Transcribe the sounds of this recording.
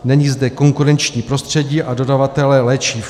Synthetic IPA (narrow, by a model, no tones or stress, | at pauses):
nɛɲiːzdɛko̞ŋkuɾɛnt͡ʃɲiːpɾo̞st̪r̥ɛɟiːʔado̞davat̪ɛlɛlɛːt͡ʃiː